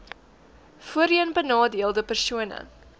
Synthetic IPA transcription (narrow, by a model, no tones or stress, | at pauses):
fuəɾiənbənɑːdiəlˠdəpərsuənə̰